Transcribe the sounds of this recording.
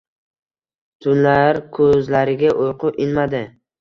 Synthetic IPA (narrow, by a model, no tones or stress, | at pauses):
t̪ʰʊnlaɾkʰɵzlaɾɪɡʲaʔojqʰʊʔɪnmad̪ɪ